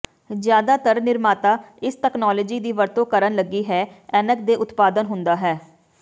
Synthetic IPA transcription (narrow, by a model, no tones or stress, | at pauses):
zjaːd̪aːt̪əɾnɪɾmaːt̪aːɪsʈɛːknɔːlɔːd͡ʒiːd̪iːʋəɾt̪õːkəɾənləɡiːɦɛːɛːnək̚d̪eːʔʊt̪paːd̪ənɦʊnd̪aːɦɛː